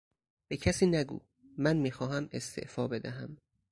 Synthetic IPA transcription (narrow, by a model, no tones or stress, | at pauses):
b̥e̞cʰæsiːnæɡṵː | mænmiːxɒːɦæme̞st̪ʰḛʔfɒːbe̞d̪æɦæm